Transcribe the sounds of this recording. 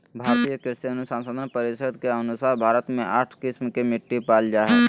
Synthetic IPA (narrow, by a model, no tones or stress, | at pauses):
bʱaːɾt̪ijəkɪɾseənʊsãnsoːd̪ʱənpɐɾɪʃəd̪ʱkeɐnʊsaːɾbʱaːɾət̪mẽʔaːʈʰkɪsmkemɪʈːipaːld͡ʒaɦɛː